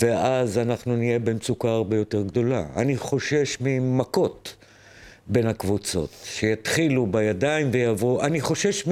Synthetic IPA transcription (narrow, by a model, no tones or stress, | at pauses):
veʔazanaχnunije̞bemt͡sukaaʁbe̞jo̞te̞ʁɡd̪o̞la̰a̰niχo̞ʃe̞ʃmimako̞t | be̞nhakvut͡so̞̰tʃe̞jat̪χilubajadaimvejavoʔaniχo̞ʃe̞ʃm